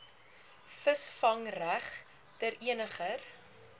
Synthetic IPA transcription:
fəsfɐŋræχ | təɾiənəχər

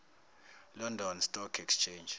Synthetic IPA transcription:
lɔndʱɔnstʼɔkʰɛkst͡ʃʰend͡ʒ

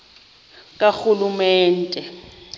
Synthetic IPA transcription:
kʼak͡xulumɛːn̩tʼɛ

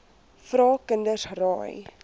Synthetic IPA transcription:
fɾɑːkəndəsrɑːj

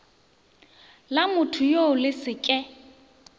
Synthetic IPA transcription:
lamʊtʰʊjoʊlɪsɪkʼɛ

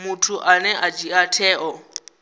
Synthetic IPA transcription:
mutʰuʔanɛʔat͡ʃiatʰɛːʔɔ

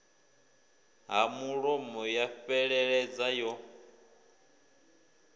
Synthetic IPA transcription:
ɦamuɺɔmɔjaɸɛɺɛɺɛd͡zajɔ

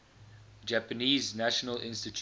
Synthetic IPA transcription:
d͡ʒæpəniːznæʃənəlʔɪ̰̃nstitʰ

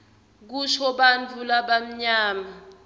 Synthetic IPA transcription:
k̬uʃɔɓant͡fʰulaɓam̩ɲaːma

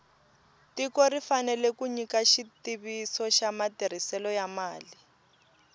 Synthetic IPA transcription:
tikɔrifanɛlɛkuɲikaʃitiβisɔʃamatiɾ̤isɛlɔjamaːli

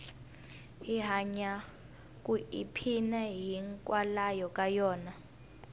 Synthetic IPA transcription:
iɦaɲa | k̬ʼuipʰinaɦiŋkʼwalajɔkʼajɔːna

